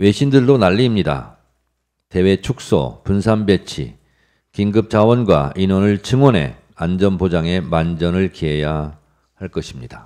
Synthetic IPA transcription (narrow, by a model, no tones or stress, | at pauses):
we̞ɕʰindɯɭdonaʎːimɲida̰ | te̞we̞t͡ɕʰuk̚s͈ʌ̰punsʰanbe̞t͡ɕʰḭ | kiŋɡɯp̚t͡ɕ͈awʌnɡwa̰inwʌnɯɭt͡ɕʰɯŋwʌne̞̰ | and͡ʑʌnbod͡ʑaŋe̞mand͡ʑʌnɯɭkiɦeja | haɭk͈ʌɕʰimɲid̥a